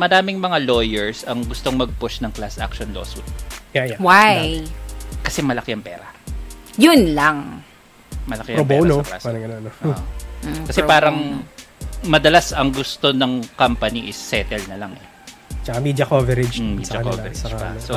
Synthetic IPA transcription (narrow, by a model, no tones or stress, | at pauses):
mɐdaːmɪŋmɐŋalojɛɹsɐŋɡʊst̪o̞ŋmɐɡ̚pʊʃnɐŋklasʔa̰k̚ʃonloːsʊjajwaj | kɐsɛmɐlɐkɪɐŋpɛːɾɐjʊnlaŋ | mɐlɐkɪʔɐɾobonoɐkla̰salɐŋɐnonoʔʔkɐsɛpaːɾɐŋ | mɐd̪ɐlasɐŋɡʊst̪o̞nɐŋkampɐniʔɪsːɛːt̪ɛlnɐlaŋʔɛ | t͡ʃɐkamid͡ʒɐkovɛɾɛd͡ʒmisɐɐɐnkovɛɾɛd͡ʒpɐ̰so